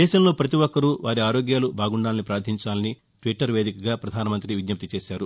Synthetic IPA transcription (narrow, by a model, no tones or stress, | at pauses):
d̪ɛːʃɐmlo̞ːpɾɐt̪iwɔkːɐɾuʋaːɾiaːɾo̞ːɡjaːlubʱaːɡuɳɖaːlɐnipɾaːɾd̪ʰʱiɲt͡ʃaːlɐni | ʈʋiʈːɐɾʋe̞ːd̪ikɐɡaːpɾɐd̪ʱaːnɐmɐnt̪ɾiʋid̪ɲɐp̚t̪it͡ʃeːʃaːɾu